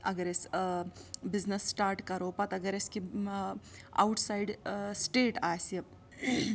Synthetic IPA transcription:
ɐɡɐɾes | biznɐsːʈaːɾʈkɐɾoːpɐt̪ɐɡɐɾeski | a̰wʈsajɖsʈeːʈaːsijɐ

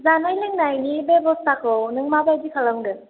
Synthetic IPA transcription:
zanajlɯŋnajnibebɔstakʰɔwnɯŋmabajdikʰalɐmɡɯ

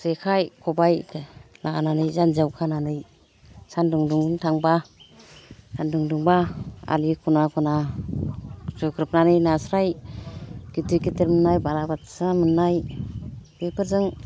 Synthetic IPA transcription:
sekʰajkʰɔbajlaananɯjzanzawkʰananɯj | sanduŋduŋtʰaŋba | sʰanduŋduŋbaa̰likʰunakʰɔna | zukʰɾɯp̚nanɯjnasɾaj | ɡ̥itɯkiteɾmɯnːajbalabatsamɯnːaj | bepʰɯɾzɯŋ

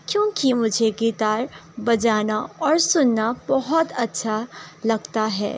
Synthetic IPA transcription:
kjõːkimʊd͡ʒʱeɡiːt̪aːɾbɐd͡ʒaːnaɔːɾsʊnːabɐɦɔt̪ɐtːʃʰalɐɡt̪aɦɛ̰ː

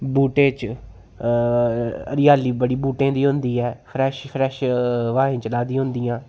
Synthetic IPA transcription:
buːʈẽːt͡ʃ | ə̰ɾɪjaːliːbəɽiːbuːʈẽːd̪iːɦʊ̃nd̪iːɛːpʰɾɛːʃfʰɾɛːʃʋaːẽːt͡ʃəlaːd̪ĩːɦʊnd̪iːjãː

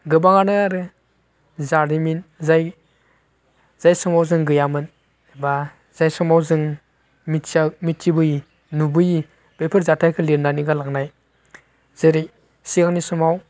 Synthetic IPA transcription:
ɡɯbaŋanɯaɾɯ | zaɾdiminzaj | z̥ajsɔmawzɯŋɡɯjamɯn | ba | z̥ajsɔmawzɯŋ | misamitːibɯji | nubɯji | b̥epʰɯɾzatʰajkʰɯliɾnaniɡalaŋnaj | z̥ɯɾi | siɡaŋnisɔmaw

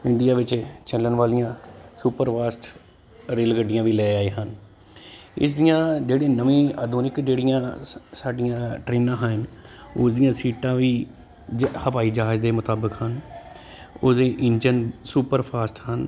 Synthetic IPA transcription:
ɪɳd̪ɪjaːʋɪt͡ʃt͡ʃəlːənʋaːlɪjãːsuːpəɾpʰaːsʈ | ɾeːlɡəɖːɪjãːʋiːlɛːaːeːɦən | ɪ̰sd̪ijãːd͡ʒeːɽẽːnəʋĩːaːd̪ʱuːnɪkd͡ʒeːɽɪjãːsaːɖɪjãːʈɾeːnãːɦənʊsd̪ijãːsiːʈãːʋiː | həpaːiːd͡ʒaːd͡ʒd̪eːmʊt̪aːbəkɦən | oːsd̪eːʔɪnd͡ʒənsuːpəɾpʰaːsʈhən

